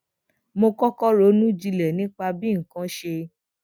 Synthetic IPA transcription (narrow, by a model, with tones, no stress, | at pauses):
mo˧kɔ˦kɔ˦ɾo˨˦nũ˦d͡ʒi˧lɛ˨nĩ˦k͡pa˧bĩ˦ŋ̩˨kã˦ʃe˧